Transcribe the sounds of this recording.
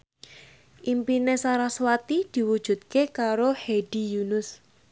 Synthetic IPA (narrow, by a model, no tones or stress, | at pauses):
ʔimpinesaɾaswat̪id̪̥i̤wud̥ʒ̥ṳt̪̚kekaɾoheɖ̥i̤junʊs